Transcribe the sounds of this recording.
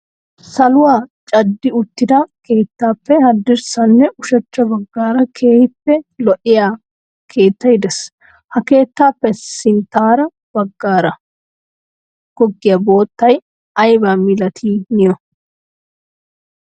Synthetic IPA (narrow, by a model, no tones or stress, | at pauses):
sɐlʊwaːt͡ʃʼɐd̪ːɪʊt̪ːɪd̪ɐke̞ːt̪ːaːpːɛhɐd̪ːɪɾsɐnːɛʔʊʃɐt͡ʃːɐbɐɡːaːɾɐkʰe̞ːhɪpːɛlɔʔɪjaː | kʰe̞ːt̪ːɐjɪd̪ɛs | hɐke̞ːt̪ːaːpːɛsɪnt̪aːɾɐ | b̥ɐɡːaːɾɐ | ɡ̥ɔɡːɪjɐbo̞ːt̪ːɐj | ɐjbaːmɪlɐt̪ʰiːnɪjɔ